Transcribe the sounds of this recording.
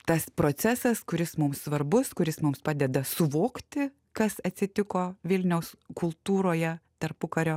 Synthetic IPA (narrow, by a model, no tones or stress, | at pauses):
t̪ɐspɾoːt̪sʲæsɐskʊɾʲɪsmʊmssʋɐɾbʊskʊɾʲɪsmʊmspɑːd̪ʲɛd̪ɐsʊʋoːkt̪ʲɪ | kɐsɐt̪ʲsʲɪt̪ʲɪkoːʋʲɪlʲnʲɛʊskʊlˠt̪uːɾoːjɛt̪ɐrpʊkɐɾʲoː